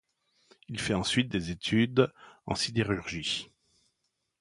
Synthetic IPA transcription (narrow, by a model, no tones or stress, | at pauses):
ilfɛɑ̃sɥit̪̚d̪ezet̪ʰyd̪ɑ̰̃sid̪eʁyʁʒi